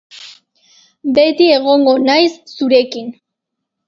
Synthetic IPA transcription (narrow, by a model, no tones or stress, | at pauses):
be̞t̪ie̞ɣ̞o̞ŋɡo̞najsːuɾe̞kin